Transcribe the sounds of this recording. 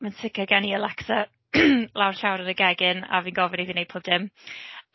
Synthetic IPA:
mansɪkʰəɡɛniəlɛksə | lˠawr̥ɬawɾənəɡɛɡɪna̰viːnɡɔvɪneðinejd̚pʰoːb̚d̥ɪm

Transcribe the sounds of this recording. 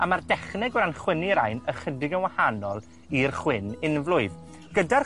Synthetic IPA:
amardɛχnɛɡɾanχwɪniɾajnəχədɪɡənwahanɔlˠ | irχwɪnɪnvlʊɨð | ɡ̥ədar

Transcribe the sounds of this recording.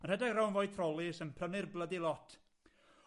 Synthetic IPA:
anhɛdaɡrawnvɔjdθʰrɔlˠɪsənpʰrənɪrblˠədɪlˠɔtʰ

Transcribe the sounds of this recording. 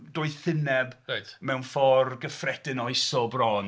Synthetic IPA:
dʊːɨθɪnɛbejtmɛwnfɔrɡəfrɛdɪnɔɨsɔbrɔn

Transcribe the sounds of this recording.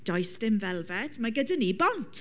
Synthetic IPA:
d̥ɔjstɪmvɛlˠvɛtʰmaɡədənibɔntʰ

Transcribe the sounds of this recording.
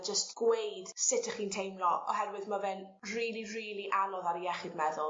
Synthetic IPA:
d͡ʒəstɡ̥wejd̥sɪtʰaχiːntʰejmlɔɔ̰hɛrwɪðmavɛn | riːlˠiriːlˠiʔanɔðaɾiɛχɪdmɛðʊlˠ

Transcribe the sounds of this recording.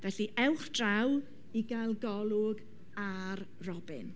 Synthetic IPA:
vɛɬiʔɛwχd̥raw | iɡajlˠɡɔlˠʊɡ | ar | rɔbɪ̰n

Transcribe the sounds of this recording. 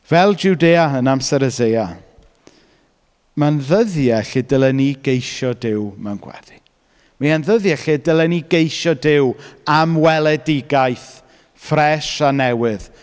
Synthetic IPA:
vɛlˠd͡ʒuwdeːaənamsɛɾəzeja | manðəðjɛɬɪdəlˠɛniɡejʃɔdɪwmɛnɡ̥wɛ̰ði | majanðəðjɛɬɪdɪlˠɛniɡejʃɔdɪwamwɛlˠɛdɪɡajθ | frɛʃanɛwɨð

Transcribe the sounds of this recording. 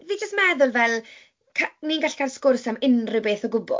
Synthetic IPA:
viːd͡ʒəstmɛðʊlˠvɛlˠ | kʰaniːnɡaɬkʰalskʊrsamɪnrɪbeːθɔɡʊbɔ̰

